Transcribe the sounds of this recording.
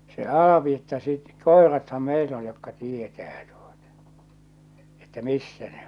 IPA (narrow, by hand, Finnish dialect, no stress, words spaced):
se ɑl̞ɑpi etːæ sit koerɑthɑm meil on jokːɑ tietæː tuotɑ̥ etːæ misːæ ne